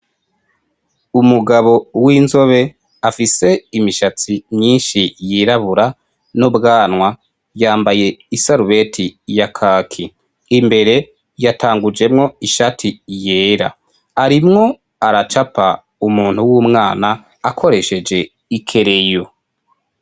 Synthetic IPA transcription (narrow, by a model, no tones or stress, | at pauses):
umuɡaβo̞wiːnzo̞βe̞ | afise̞imiʃat͡simɲiːnʃijiːɾaβuɾa | nobɡaːnwa | jaːmbaje̞isaɾuβe̞tʰijakʰaːkʰi | imbe̞ɾe̞ | jatʰaːŋɡuɾd͡ʒe̞mŋo̞iʃatʰijeːɾa̰ | aɾimŋo̞ | aɾat͡ʃapa | umuːn̥huwuːmŋaːnaː | kʰo̞ɾe̞ʃe̞d͡ʒe̞ | ikʰe̞ɾe̞jo